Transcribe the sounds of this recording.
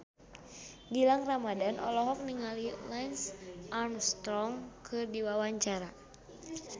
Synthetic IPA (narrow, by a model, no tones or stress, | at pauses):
ɡilaŋramadanʔɔ̰lɔɦɔk̚niŋalilɛnsʔarmst̪ɾɔŋkʰɨrdiwawaɲt͡ʃaɾa